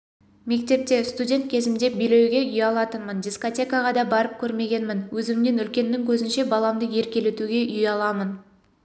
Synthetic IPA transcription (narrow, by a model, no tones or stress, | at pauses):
me̞kt̪e̞p̚t̪e̞st̪udʲe̞nt̪̚kʲʰe̞zɪmd̪e̞bejle̞wɡʲe̞ʏjɑlˠɑt̪ənmənd̪ʲisko̞tʲe̞kaʁɑd̪ɑbɑɾəp̚kʲʰɵɾme̞ɡʲe̞nmɪnwɵzɪmne̞nʏlkʲe̞nːɪŋkʲʰɵzɪnʃe̞bɑlˠɑmd̪əje̞ɾkʲe̞le̞t̪uɡʲe̞ʔʏjɑlˠɑmən